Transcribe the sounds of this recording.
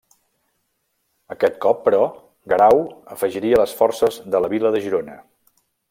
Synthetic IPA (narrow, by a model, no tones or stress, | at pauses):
əkɛt̪kɔpːəɾɔ | ɡəɾawəfəʒiɾiələsfɔrsəzðələβiləðəʒiɾonə